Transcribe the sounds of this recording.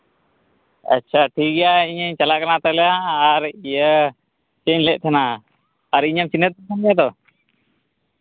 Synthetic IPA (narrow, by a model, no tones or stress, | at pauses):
a̰tːt͡ʃʰaʈʰiɡɛjaiɲəɲt͡ʃalakanat̪ɔlɛjaːɾijə | t͡ʃɛɲlɛʔ̚t̪ʰɛnaː | ɾiɲamt͡ʃinət̪̚bɔkʰanɡɛjad̪ɔ